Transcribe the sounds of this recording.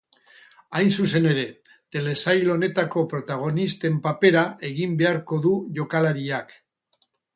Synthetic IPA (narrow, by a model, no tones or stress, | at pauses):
ajnsuse̞ne̞ɾe̞ | t̪e̞le̞sajlo̞ne̞t̪ako̞pɾo̞t̪aɣ̞o̞nist̪e̞mpape̞ɾaʔe̞ɣimbe̞aɾko̞ðuʝo̞kalaɾiak